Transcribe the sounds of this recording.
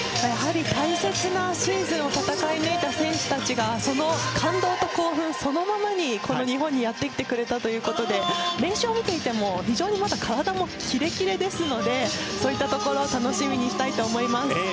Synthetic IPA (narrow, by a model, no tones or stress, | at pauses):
jaɦaɾʲit̪aise̞t͡sɨnaɕiiːzɨ̃ɰo̞t̪at̪akainɯit̪asẽ̞ɰ̃ɕɨ̥t̪at͡ɕiɡaso̞no̞kʰãnd̪o̞ːt̪o̞ko̞ːɸɯ̟̃ɰ̃so̞no̞mamaɲ̟iko̞no̞ɲ̟iɦõ̞ɲ̟ːijat̪ːe̞kʲi̥t̪e̞kɯ̟ɾe̞t̪at̪o̞jɯ̟ːko̞t̪o̞d̪e̞ɾẽ̞ɰ̃ɕɨoːmʲit̪e̞it̪e̞mo̞çiʑo̞ːɲ̟imat̪akʰaɾad̪amo̞kʲʰiɾe̞kʲiɾe̞d̪e̞sɨno̞d̪e̞so̞ːit̪ːat̪oko̞ɾo̞ːt̪anoɕimʲiɲ̟iɕi̥t̪ait̪o̞ːmo̞imasɨ̥